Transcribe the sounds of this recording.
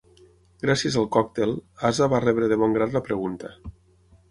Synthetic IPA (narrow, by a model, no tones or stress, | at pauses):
ɡɾasiəzalˠkɔk̚t̪elazaβarɛβɾeðeβɔŋɡɾat̪lapɾeɣunt̪a